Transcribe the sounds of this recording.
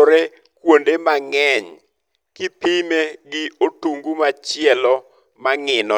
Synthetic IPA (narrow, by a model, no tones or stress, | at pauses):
ɾe | kwondemaŋɛɲ | kɪpimeɡɪotuŋɡumat͡ʃɪɛlɔ | maŋɪnɔ